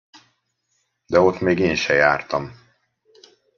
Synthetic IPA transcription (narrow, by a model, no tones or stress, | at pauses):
d̪ɛo̞t̪meːɡeːnʃɛjaːrt̪ɒm